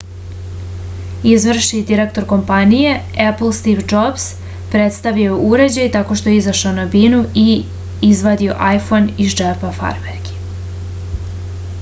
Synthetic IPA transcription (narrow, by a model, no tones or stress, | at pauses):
izʋr̩ʃid̪iɾekt̪o̞ɾko̞mpanije̞epl̩st̪iʋd͡ʒops | pɾet̪st̪aʋioeʔuɾe̞d͡ʑajt̪ako̞ʃt̪o̞jeizaʃaonabinui | izʋad̪io̰ʔajfoniʒd͡ʒepafa̰ɾmeɾɡi̥